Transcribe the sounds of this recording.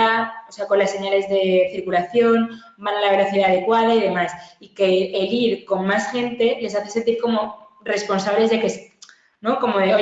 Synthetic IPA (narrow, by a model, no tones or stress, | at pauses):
aose̞ako̞nlasːe̞ɲale̞zðe̞θiɾkulaθjo̞n | banalaβ̞e̞ɾo̞θiðaːðe̞kwað̞aiðe̞masike̞ːliɾko̞ŋmasxe̞nt̪e̞le̞s̬aθese̞nt̪iɾko̞mo̞ | re̞spo̞nsaβle̞zðe̞kes | no̞ko̞moðeo